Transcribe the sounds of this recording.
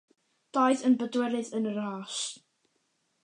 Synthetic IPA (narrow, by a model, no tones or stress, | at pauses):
d̥aɨðənbədwɛɾɨðənəɾaːs